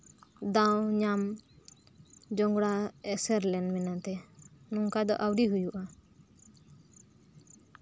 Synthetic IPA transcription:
d̪awɲam | d͡ʒɔŋɡɽaɛsɛɾlɛnmɛnat̪ɛnuŋkad̪ɔ̰ʔawɖiɦujuʔa

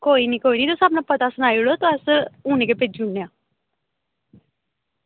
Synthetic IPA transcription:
koːiːniːkoːiːniːt̪ʊsabnãːpət̪aːsənaːiloːt̪õəsuːneːkepeːd͡ʒuɳːeãː

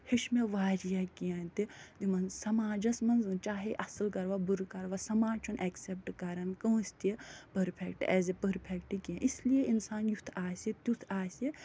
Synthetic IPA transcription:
heʃmeʋaːɾijakijɐ̃nt̪id̪imɐnzsɐmaːd͡ʒɐsmɐnzɨt͡ʃaːɦeʔɐsɨlkɐɾʋabuɾkɐɾʋasɐmaːd͡ʒt͡ʃʰunʔɛksep̚ʈkɐɾɐnkɐwst̪iepəɾpʰekʈɛ̰ːzepəɾpʰekʈikijɐ̃ʔislijeʔinsaːnjut̪ʰaːsʲit̪jut̪ʰaːsi

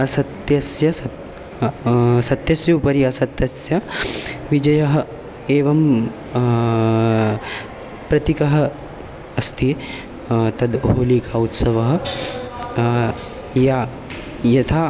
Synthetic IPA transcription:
ɐsɐt̪jɐsjɐsɐ | sɐt̪jɐsjɐupɐɾiɐsɐt̪jɐsjɐʋid͡ʒɐjɐɦɐ̆ | eːʋɐm | pɾɐt̪ikɐɦɐ̆ | ɐst̪ʰi | t̪ɐd̪ɦoːlikaːut̪sɐʋɐɦɐ̆ | ja | jɐt̪ʰa

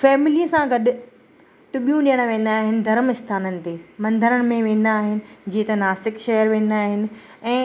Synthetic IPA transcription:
fɛːmɪliːəsãɡɐɗʊ̆ | t̪ʊɓijũɗijəɽ̃ʋẽːn̆d̪aːɦɪnɪ̆d̪ʱɐɾmɪst̪ʰaːnənɪ̆t̪eːmɐ̃nd̪ʱəɾəɽ̃mẽʋẽːn̆d̪aːɦɪnɪ̆d͡ʑiːet̪ɐnaːsɪkʃɐɦəɾʋẽːn̆d̪aːɦɪnɪ̆ | ɛ̃ː

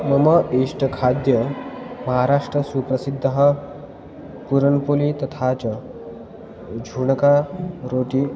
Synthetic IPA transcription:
məməiʂʈʰəkʰad̪jəməɦaɾaʂʈɾəsupɾəsid̪ʱːəɦa | puɾəɳpulit̪ət̪ʰat͡s | d͡ʑʱuɳkaɾoʈiː

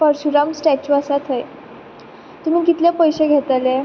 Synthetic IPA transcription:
fəɾɕuɾamsʈæt͡ɕuəsat̪ʰɦəj | t̪um̤iːkit̪lepəjɕeɡʱet̪ale

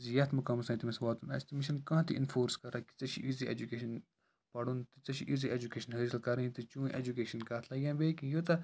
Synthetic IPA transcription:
zijɐt̪ʰmʊkɐmsɐ̃ːt̪imɐsʋaːt̪unɐ̰st̪imiʃɐnkɐ̃ːt̪ʰiʔḭnfoːɾskɐɾɐki̥t͡sɐʃʰḭʔiziḛd͡ʒukeːʃɐn | pɐɽunt̪ɨt͡sɐʃʰiʔiːziʔed͡ʒukeːʃɐnɦɐɾsɐlkɐɾt̪ɨt͡ʃũːʔḛːd͡ʒukeːʃɐnkɐt̪ʰlɐɡʲãːbeːkijot̪ɐ

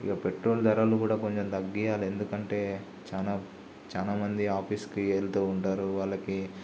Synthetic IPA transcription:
ḭɡaːpeʈɾo̞ːld̪ɐɾaːlukuːɽaːko̞ɲt͡ʃemt̪ɐɡːijaːle̞nd̪ukɐɳʈe̞ː | t͡ʃaːnaː | t͡ʃaːlaːmɐnd̪iaːpʰiːskieːlt̪oːuɳʈaːɾuʋaːlːɐki

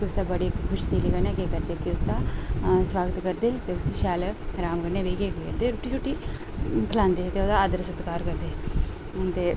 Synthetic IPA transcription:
kiʊsd̪aːbəɽiːkʰʊʃt̪iːliɡənɛːkeːkəɾd̪eːkiʊsd̪aːsʋaːɡət̪kəɾd̪eːt̪eːʊsiʃɛːlɾaːmɡənːeːbeːɡeːɡd̪eɾuːʈiːɾuːʈiː | kʰəlãːnd̪eːt̪eːʊd̪aːd̪əɾsət̪kaːɾkəɾd̪eː | t̪eː

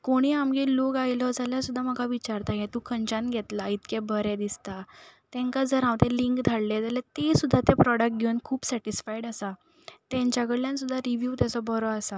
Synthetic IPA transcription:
koɽ̃iːamɡelokajlɔd͡zaljasud̪ʱːam̤əɡʱaʋit͡ɕaɾt̪ajɛ̃t̪ũkʰəɲt͡ɕãnɡʱɛt̪lait̪kebʱəɾɛ̃d̪ist̪at̪ɛ̃ŋkad͡zəɾãʋt̪ẽliŋkd̪ʱaɽled͡zalɛt̪esud̪ʱːat̪epɾɔɽək̚ʈ̚ɡʱenkʰuːpsɛʈisfaiɽəsa | t̪ɛ̃ɲt͡ɕjaɡəɽljãnsud̪ʱːaɾiʋjuːt̪at͡sɔbɔɾɔasa

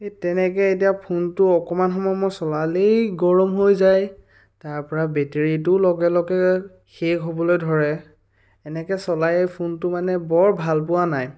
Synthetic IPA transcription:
etɛnɛk̬ɛet̬ijapʰuntʊɔkɔmanxɔmɔjmɔjsɔlalejɡɔɹɔmɦojzaj | taɹpɔɹabeteɹit̬ʊlɔɡɛlɔɡɛ | xekɦobɔlojdʱɔɹɛ | ɛnɛkɛsɔlajejpʰuntʊmanɛbɔɹbʱalp̬ʊwanaj

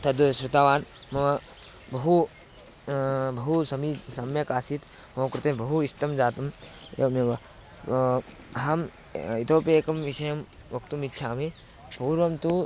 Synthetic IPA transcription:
t̪ɐd̪ʋɐsɾɐt̪aːʋaːnmɐʋɐ | bɐɦu | bɐɦusɐmisɐmjɐkaːsit̪moːkɾut̪ebɐɦuist̪ɐmd͡ʒaːt̪ɐmḛmɐʋɐ | ɦɐm | it̪ʰoːpeːkɐmʋiʃɐjɐm | ʋɐkt̪umitːʃʰaːme | puːɾʋɐmt̪u

